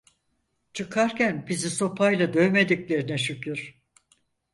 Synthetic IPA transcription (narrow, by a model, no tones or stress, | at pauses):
t͡ʃʰɯkʰaɾcænbiziso̞pʰajlˠad̪øjme̞d̪iclʲe̞ɾinɛʃycʰyɾ̥